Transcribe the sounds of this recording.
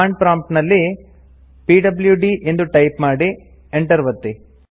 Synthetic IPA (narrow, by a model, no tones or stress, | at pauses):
aːɳɖpɾaːmpʈnɐlːi | piːɖɐbljuɖiʔend̪uʈɐjpmaːɽi | eɳʈɐɾʋɐt̪ːi